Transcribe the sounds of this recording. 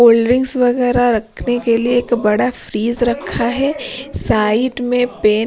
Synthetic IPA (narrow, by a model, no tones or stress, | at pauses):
oːlɖɾɪ̃ŋɡsʋɐɣɛːɾaɾɐkʰnekelieːkbɐɽafɾiːzɾɐkʰːaɦɛːsaːɪɖmẽpeː